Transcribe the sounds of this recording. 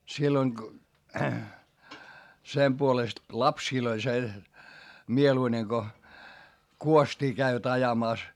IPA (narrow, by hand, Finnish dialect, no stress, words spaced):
silːoiŋ ko sem puolest lɑpsiːl olʲ se mieluine ko kuostʲiː kæiʋæt ɑjɑmɑˑs